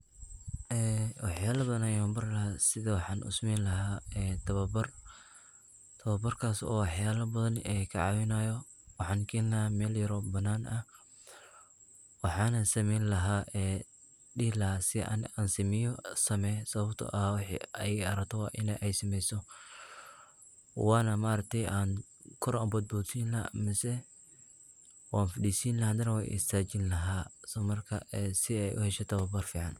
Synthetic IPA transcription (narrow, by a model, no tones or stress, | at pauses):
ʔɛːwʔɑħjaːlɐbɐðnajɔːmbɐrlɐhasɪðɐwɑħɑːnʔʊ̰smɛjnlɐɦaːɛːt̪ʰɐβɐbɐr | t̪ʰɐβɐbɐrkʰaːsɔ̰ːwɑħjaːlɐbɐðɐnɛːkʰɐʕɑːwɪnaːjɔwɑħɑːŋkʰɛːnlɐhaːmɛːljɐɾɔbɐnːaːnʔɐ | wɑħɑːnɐsɐmɛjnlɐɦaːʔɛː | ɗɪhlɐɦaːsɪʔa̰ːnaːnsɪmɪjɔsɐmɛsɐβɐbt̪ʰɔ̰ʔɐhaːwɑħḭɛjɐɾɐkt̪ʰɔwɑːʔɪ̰nɛʔɛjsɪmɛjsɔ | wɑːnɐmaːɾɐk̚t̪ʰɛjʔaːn | kʰʊɾaːbɐd̪̚buːsiːnlɐ̰mɪsɛ | waːnfɐɗiːsiːnlɐaːnd̪ɐnɐwa̰ːjʔɪ̰st̪ʰaːt͡ʃɪnlɐɦaːsmɐrkʰɐ̰ɛːsɪɛjʔʊ̰hɛʃɛt̪ʰɐwɐbɐrfiːʕɑn